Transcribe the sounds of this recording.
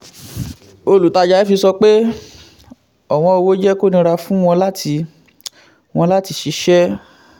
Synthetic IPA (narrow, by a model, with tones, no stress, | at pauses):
o˧lu˨ta˧d͡ʒa˨˧˦i˦fi˧sɔ˧k͡pe˦ | ɔ˨w̃ɔ̃˧o˧wo˦d͡ʒɛ˦ko˦nĩ˧ɾa˧fũ˦w̃ɔ̃˧la˦ti˧ | w̃ɔ̃˧la˦ti˧ʃi˧ʃɛ˦